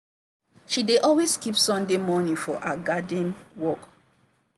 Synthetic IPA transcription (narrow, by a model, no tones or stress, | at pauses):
ʃideʔɔlwezkipsɔ̃ndemɔnĩfɔʔaɡadĩnwɔk